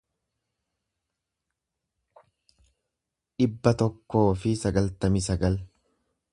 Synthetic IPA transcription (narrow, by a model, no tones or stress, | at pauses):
ᶑɪbːɐt̪ɔkːo̞ːfɪsɐɡɐlt̪ɐmɪsɐɡɐl